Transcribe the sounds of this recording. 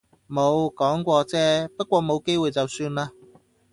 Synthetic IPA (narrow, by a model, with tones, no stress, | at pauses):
mo˨˧wkɔː˨˥ŋkʷɔː˧t͡sɛː˥pɐ˥kʷɔː˧mo˨˧wke˥jwuː˨˧jt͡sɐ˨wsyː˧nlaː˧